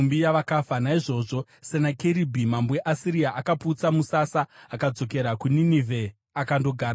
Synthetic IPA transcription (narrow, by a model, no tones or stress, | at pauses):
umbijaʋakafanaiʐo̞ːʐo̞ | senakeɾibʱimamboeʔasiɾijaʔakapuːt͡samusasaːkad͡zo̞k̬e̞ɾakuninivʱe̞ | akando̞ɡʱaːɾa